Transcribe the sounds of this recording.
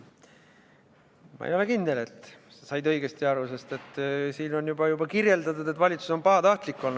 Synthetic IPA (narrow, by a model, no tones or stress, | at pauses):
mɑ̰olekind̪ele̞t̪ˑsesɑjd̪ɤ̞jɡ̥est̪iɑɾuse̞st̪e̞t̪ːˑsiːno̞njubɑjubɑkirje̞ld̪ɑt̪ud̪et̪ːvɑlʲit̪su̥so̞npɑɑt̪ɑht̪likːˑo̞lnu̥